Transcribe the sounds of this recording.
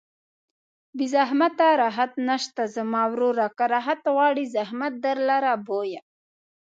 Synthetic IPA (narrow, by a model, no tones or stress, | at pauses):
bizaɦmat̪aɾaɦat̪naʃt̪azəmaːwɾuɾakaɾaɦat̪wɑːɽizahmat̪̚d̪aɾlaɾaboja